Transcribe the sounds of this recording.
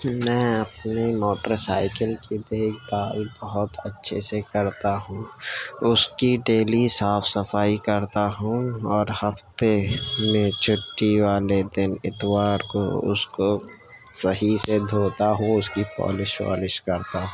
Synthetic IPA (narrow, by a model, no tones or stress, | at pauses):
mɛ̃ːɐpnemoːʈəɾsaːɪkəlkid̪eːkʰbaːɾbɐɦʊt̪ɐtːʃʰesekɐɾt̪aɦũʊskiɖeːlisaːfʰsɐfaːikɐɾt̪aɦũɔːɾhɐft̪emẽt͡ʃʰʊʈːiʋaːled̪ɪnɪt̪ʋaːɾko̰ʊ̰sko | sɐɦised̪ʱoːt̪aɦũʊskipɔ̰ːlɪʃwa̰ːlɪʃkɐɾt̪aɦũː